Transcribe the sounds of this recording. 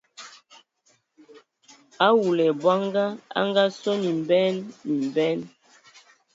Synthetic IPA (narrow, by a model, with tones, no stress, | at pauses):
a˦wu˨lɛ˨bwa˦ŋɡa˦a̰˦ŋɡa˦sɔ˦ni˨mbɛ˦nːi˨mbɛ˦n